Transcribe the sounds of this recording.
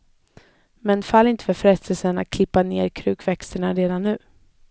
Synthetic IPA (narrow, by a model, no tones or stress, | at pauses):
mɛnfalːɪnt̪ə̥fœɾfɾɛst̪əlsəɳat̪̚kʰlɪpːaneːɾkʰɾʉ̟ːkvɛkst̪əɳaɾeːd̪anːʉ̟ː